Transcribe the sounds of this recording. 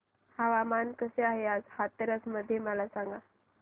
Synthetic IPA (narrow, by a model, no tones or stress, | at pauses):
haʋamankəseaɦead͡zhat̪əɾəsməd̪ʱːjeməlasaŋɡa